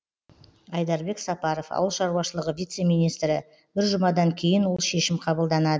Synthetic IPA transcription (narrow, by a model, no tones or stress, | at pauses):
ɑjd̪ɑɾbe̞ksɑpɑɾofɑ̰wəlˠʃɑɾuwɑʃəlˠəʁəvʲijt̪se̞mijnijst̪ɾɪ | b̥ɪɾʒʊmɑd̪ɑŋkʲʰe̞jɪnwo̞lˠʃe̞ʃɪmqʰɑbəlˠd̪ɑnɑd̪ə